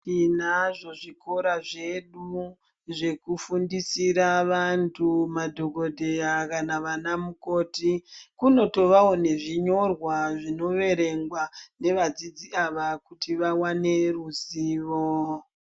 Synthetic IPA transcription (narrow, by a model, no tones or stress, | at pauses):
inaʐo̞ʐikʰo̞ɾaʐe̞ɗu | ʐe̞kufundisiɾaʋantʰumadʱoɡodʱe̞akanaʋanamuko̞ːtikuno̞to̞ʋawo̞ne̞ʐiɲo̞rwaʐino̞ʋe̞ɾe̞ŋɡwane̞ʋad͡zid͡ziaʋakutiʋawane̞ruziːʋo